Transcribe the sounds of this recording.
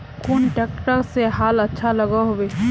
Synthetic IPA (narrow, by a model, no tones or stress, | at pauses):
kʰuːnʈeːkʈəɾseɦaːlɐtːʃʰalɐɡaɦoeː